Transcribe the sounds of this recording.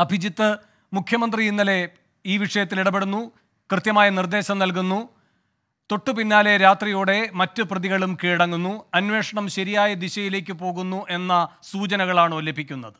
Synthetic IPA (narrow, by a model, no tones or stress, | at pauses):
ɐbʱid͡ʑit̪ːɨ | mukʰjɐmɐnd̪riinːɐle̞ | iːʋiʂɐjɐt̪ːiliɽɐpe̞ɽunːu | krɨt̪jɐmaːjɐnird̪e̞ːɕɐmnɐlk̬unːu | t̪o̞ʈːɨpinːaːle̞ɾaːt̪rijoːɽe̞mɐtːɨprɐðiɣɐɭumkiːɽɐŋːunːuɐnwe̞ːʂɐɳɐmɕɐɾijaːjɐd̪iɕɐjile̞ːk̬ʲːɨpo̞ːɣunːuʔe̞nːɐsuːt͡ɕɐnɐɣɐɭaːɳɨolːɐbʱikʲːunːɐðɨ